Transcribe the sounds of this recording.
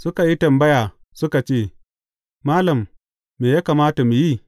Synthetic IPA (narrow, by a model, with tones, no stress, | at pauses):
sʊ˦ka˨ji˦tɐ˨mbɐ˦jaː˨ | sʊ˦ka˨t͡ʃeː˦˨ | maː˦lɐ˨mː | eː˨jaː˦kaː˨maː˦ta˨mu˨ji˦